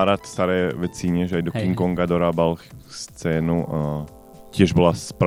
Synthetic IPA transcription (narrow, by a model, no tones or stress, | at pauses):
aɾat̪st̪aɾɛːvɛt͡siɲɛʒɛajd̪okiŋkoŋɡad̪oɾabalxst͡sɛːnu | cjɛʒbɪlaspɾ